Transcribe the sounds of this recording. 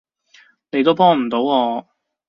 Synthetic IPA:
ne˨˧jt̪o˥wpɔː˥ŋm̩˨˩t̪o˨˥wɔː˧

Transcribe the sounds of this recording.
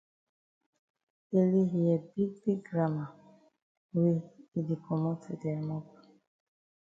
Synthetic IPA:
e˨li˦ɦi˨ɛ˨bi˦ɡ̚bi˦ɡ̚ɡɹa˦ma˨ | we˦i˨di˨kʰɔ˨mɔ˦tʰu˨dɛ˨mɔ˦p̚

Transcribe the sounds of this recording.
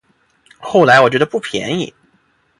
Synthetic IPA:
xo˥˩ʊla˧ɪwɔ˨˩t͡ɕɥɛ˧˥d̪ə˧pu˥˩pʰjɛ̰˧˥nḭ˨˩˦

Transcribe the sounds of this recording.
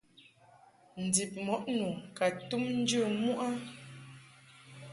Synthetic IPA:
n̩˨di˨p̚mɔ˨˦ʔnu˨ka˨tu˦mn̩˦d͡ʒə˦˨mu˦ʔa˦

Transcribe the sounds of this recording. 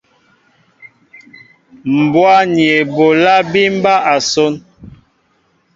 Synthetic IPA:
m̩˨bwa˦ni˨e˨bo˨la˦bi˦m̩˦ba˦ʔa˨so˦n

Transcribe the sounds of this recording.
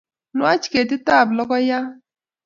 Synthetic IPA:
nʊ˦a˦t͡ʃi̥˨ke˨tɪ˦ta˦˨blɔ˦kɔ˦ja˦

